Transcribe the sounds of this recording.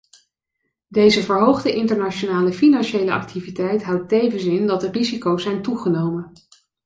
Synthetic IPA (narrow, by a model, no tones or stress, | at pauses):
dejzəvəɹɦowχdəʔɪntəɹnat͡ʃonaːləfinɑnʃejləɑ̰k̚tʰivitɛjtɦʌwtejvənsɪndɑtdərizikowsɛjntuχənowmən